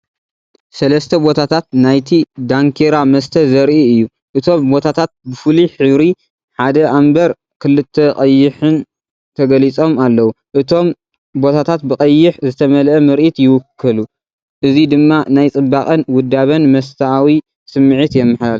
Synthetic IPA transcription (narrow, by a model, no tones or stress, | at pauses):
sɐlɐst̪ʰɐbo̞t̪ʰat̪ʰat̪̚najt̪ʰid̪aŋkʰeɾamɐst̪ʰɐzɐɾʔiɨjːu | ʔɨt̪ʰo̞mbo̞t̪ʰat̪ʰat̪̚bɨfɨliħɨβɾi | ħad̪ɐʔambɐɾ | kʰɨlɨt̪ʰːɐqʼɐjːɪħɨn | t̪ʰɐɡɐlit͡sʼo̞malːɐwu | ʔɨt̪ʰo̞m | bo̞t̪ʰat̪ʰat̪̚bɨkʼɐjːɪħzɨt̪ʰɐmɐlʔɐmɨɾʔit̪jɪwʊkʰːɨlu | ʔɨzid̪ɨmːanajt͡sʼɨbːakʼɐnwʊd̪ːaβɐnmɐs̬t̪ʰɐawi | sɨmːɨʕit̪jɛmːɨħal